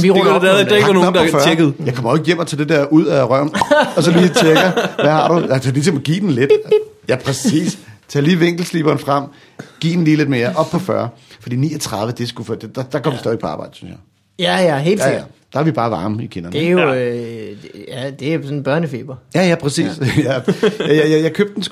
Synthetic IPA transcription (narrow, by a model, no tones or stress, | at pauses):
ʋiʁdˠeno̥fɶɐɡ̥ð̩ˠjɑ̈ɪkʰɒ̽mɐɒsjem̰ɒt͡sʰɛ̰ːd̥ed̥eɐʔuð̰ˠæʁɶɐ̰mɒ̽sɒ̽liːt͡ɕʰeɡ̥ɐʋæhɑ̰̈ɾuælsɐlisʰɒmɒɡ̥ḭːd̥n̩led̥jæpʰʁɛsḭːst͡sʰɛ̰ːliːʋeŋ̰ɡ̥l̩slḭːb̥ɐːnfʁam̰ | ɡ̥ḭːd̥n̩liːle̝d̥meɐʔɒ̽b̥̚pʰɒ̽fɶɐfɒd̥ḭːnḭːɒt͡sʰʁɑ̈ð̞ˠʋəd̥esɡ̥ufd̥ed̥ɑd̥ɑ̈kʰɒ̽m̰ʋisɛːðʋeɡ̥̚pʰɒɑ̈ːb̥ɑ̈ɪ̰d̥əsy̥nsjɑ̈ɪ | jæjæɦe̝̰ːlsd̥ɑæʋib̥ɑ̈ːʋɑ̈ːməikʰe̝nɐnejo | æd̥e̝jsɔnb̥ɶɐnəfeːb̥ɐjæjæpʰʁɛsḭːsjææjjajɑ̈ɪkʰøb̥̚d̥n̩sɡ